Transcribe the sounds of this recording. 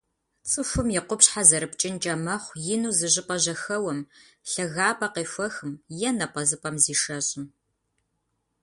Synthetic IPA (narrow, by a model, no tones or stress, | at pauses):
t͡sʼɨfʷʊmjɛqʷʊpɕħazɐɾɨpʰt͡ʃʼɪnt͡ʃʼɐmɐχʷjɪnuːzɨʑɪpʼɐʑɐxɐwɐm | ɬɐɣaːpʼɐqeːfʷɐxɨmjɛnɐpʼɐzɨpʼɐmziːʂɐɕʼɪn